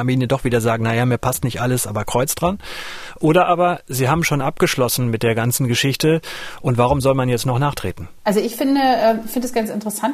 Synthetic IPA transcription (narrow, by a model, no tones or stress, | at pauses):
abiːnadɔχv̥iːdɐzaːɡŋ̩najaːmiːɐpʰastnɪçtʔaləsʔa̰ːbɐkʁ̥ɔʏt͡sd̥ʁanʔoːɾɐʔaːbɐziːɦaːbm̩ʃoːnʔapɡ̥əʃlɔsn̩mɪt̚d̥eːɐɡant͡sn̩ɡəʃɪçtəʔʊntv̥aʁʊmzɔlmanjɛt͡stnɔχnaːχtʁ̥ḛːtn̩ʔalzoɪçfɪndəʔɛːfɪndəsɡ̥ant͡sɪntəʁəsant